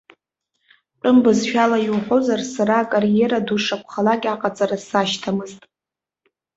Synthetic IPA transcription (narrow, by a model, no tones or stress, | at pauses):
ʈ͡ʂʼɨmbɨzʃᶣalajiwħʷo̞zarsaɾaːkʼarijeɾaduʂakʷʰχalakʲaqʼat͡sʼarasaʃtʰamɨztʼ